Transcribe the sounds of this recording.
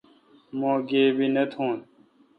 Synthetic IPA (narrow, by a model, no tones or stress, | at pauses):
mõːɡeːbinət̪ʰõːn